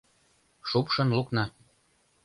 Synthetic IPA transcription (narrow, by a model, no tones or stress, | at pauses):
ʃupʃɤ̆nluknɑ